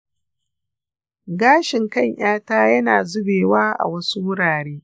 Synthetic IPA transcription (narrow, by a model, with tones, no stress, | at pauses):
ɡaː˦ʃɪ˨ŋkɐ˦˨ɲj̰aː˦taː˦jɐ˦naː˨zʊ˦beː˨waː˦ʔa̰˨wɐ˦su˦wʊ˦ɽaː˨ɽeː˦